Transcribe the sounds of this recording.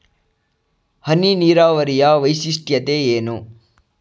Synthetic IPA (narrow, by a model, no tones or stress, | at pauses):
hɐniniːɾaːʋɐɾijaʋɐjsisʈjɐt̪eeːnu